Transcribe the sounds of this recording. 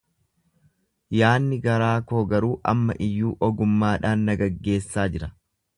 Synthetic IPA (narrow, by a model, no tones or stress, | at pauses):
jaːnːɪɡɐɾaːkoːɡɐɾuːʔɐ̰mːɐ̰ʔɪjːuːʔɔɡʊmːaːᶑaːnːɐɡɐɡːe̞ːsːaːd͡ʒɪɾɐ